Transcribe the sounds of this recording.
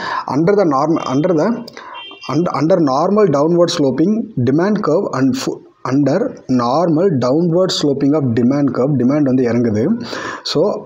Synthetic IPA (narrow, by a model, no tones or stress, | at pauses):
ʔɐ̰ɳɖɐɾðɐnaːɾmɐ̰ʔɐ̰ɳɖɾɐðɐ | ɐnʔɐɳɖɐɾnaːɾmɐlɖɐʊnʋɐɾɖsloːpɪ̃ŋɖɪmaːɳɖkɐːʋɐ | ʔɐɳɖɐɾnaːɾmɐlɖɐʊnʋɐɾɖsloːpɪ̃ŋɡaːfɖɪmaːɳɖkɐːʋɖɪmaːɳɖʋɐnd̪ɯɪɾɐŋɡɐðɯsoː